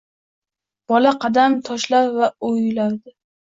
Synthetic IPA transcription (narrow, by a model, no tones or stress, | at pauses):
b̥ɒlaqʰɑd̪amt̪ʰɒʃlapvaojʊlaɾd̪ɪ